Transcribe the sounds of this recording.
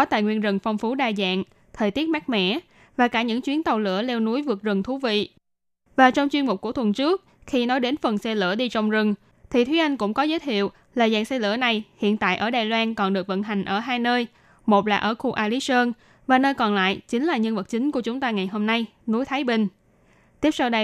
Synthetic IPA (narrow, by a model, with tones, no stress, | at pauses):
kɔ˨˦t̪a̰ː˧˨jŋwi˧ənzə˨˩ŋfwŋ͡mfu˨˦ɗaː˧˩za̰ː˧˨ŋ | t̪ʰəː˨˩jt̪i˦˥ət̚ma˦˥k̚mɛ̰˧˥ | vaː˨˩kaː˧˩ɲɨ̰˧˥ŋt͡ɕwi˨˦ənt̪ə˨˩wlɨ̰˧˥əlɛ˧wnu˨˦əjvɨ˨˩ək̚zɨ˨˩ŋt̪ʰu˨˦vḭ˧˨ | vaː˨˩t͡ɕɔ˧wŋ͡mt͡ɕwi˧ənmu˨˩k͡p̚ku˧˩ət̪ʰwə˨˩nt͡ɕɨ˦˥ək̚xi˧nɔ˨˦jɗe˨˦nfə˨˩nsɛ˧lɨ̰˧˩əɗi˧t͡ɕɔ˧wŋ͡mzɨ˨˩ŋ | t̪ʰi˨˩t̪ʰwi˨˦ʔa˧jŋ̟kʊ̰˧˥ŋ͡mkɔ˨˦zəː˨˦jt̪ʰḭ˧˨əw | laː˨˩za̰ː˧˨nsɛ˧lɨ̰˧˥əna˨˩jhḭ˧˨ənt̪a̰ː˧˨jʔəː˧˩ɗaː˨˩jlwaː˧nkɔ˨˩nɗɨ˨˩ək̚və̰˧˨nɦa˨˩jŋ̟ʔəː˧˩ɦaː˧jnəː˧j | mo˨˩t̚laː˨˩ʔəː˧˩xu˧ʔaː˧li˨˦səː˧n | vaː˨˩nəː˧jkɔ˨˩nla̰ː˧˨jt͡ɕï˨˦ŋ̟laː˨˩ɲə˧nvə˨˩t̚t͡ɕï˨˦ŋ̟ku˧˩ət͡ɕʊ˨˦ŋ͡mt̪aː˧ŋa˨˩jɦo˧mna˧j | nu˨˦jt̪ʰaː˨˦jɓï˧˩ŋ̟ | t̪i˦˥əp̚sa˧wɗə˧